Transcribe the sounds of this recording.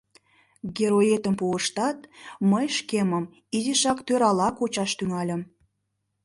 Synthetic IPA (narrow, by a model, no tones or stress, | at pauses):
ɡʲeɾoet̪əmpuəʃt̪ɑt̪məjʃkeməm | iziʃɑkt̪øɾɑlɑkot͡ɕɑʃt̪yŋɑlʲə̆m